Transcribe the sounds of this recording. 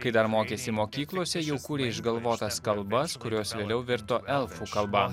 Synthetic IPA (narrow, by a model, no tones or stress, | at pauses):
kɐɪd̪ɐɾmoːkʲeːsʲɪmoːkʲiːklˠoɔsʲɛjɛʊkuːɾʲeːɪʒɡɐlˠʋoːt̪ɐskɐlˠbɐskʊɾʲoːsʋʲeːlʲɛʊʋʲɪɾt̪oːʔɛlˠfuːkɐlˠbɑː